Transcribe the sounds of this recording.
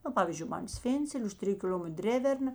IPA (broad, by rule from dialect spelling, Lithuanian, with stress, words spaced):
nɐ ˈpɑːʋʲiːzʲd͡ʒʲʊɪ ˈmɐn ˈsʲʋʲeːnʲt͡sʲɛlʲeː ʊʃ ˈtʲrʲɪjʊ kʲɪˈlʲoːmʲɛtr ˈdʲrʲæːʋʲɛrˌnɐ